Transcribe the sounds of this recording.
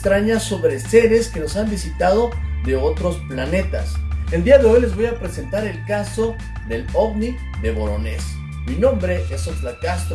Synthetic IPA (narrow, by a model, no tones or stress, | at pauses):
t̪ɾaɲaso̞βɾe̞se̞ɾe̞ske̞no̞sambisit̪að̞o̞ðe̞o̞t̪ɾo̞splane̞t̪a̰send̪iaðe̞o̞jle̞zβo̞japɾe̞se̞nt̪aɾe̞lkaso̞ | ðe̞lo̞ɣni | ðe̞βo̞ɾo̞ne̞s | minõ̞mbɾe̞ʔesonflakast̪